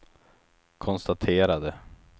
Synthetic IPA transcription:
kʰɔnst̪at̪ʰeːɾad̪ə

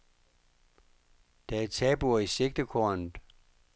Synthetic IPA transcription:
d̥ææt͡sʰɛːb̥uɐise̝ɡ̥̚d̥əkʰoɐnð̩ˠ

